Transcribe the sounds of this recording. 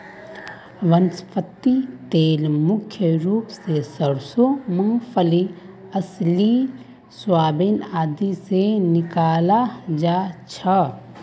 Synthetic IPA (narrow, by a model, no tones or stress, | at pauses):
ʋənspʰət̪ːit̪eːlmʊkʰjəɾuːpsesəɾsomə̃ŋpʰəli | ɐsli | swaːbɪnaːd̪isenɪkaːlad͡ʒaːt͡ʃʰɐ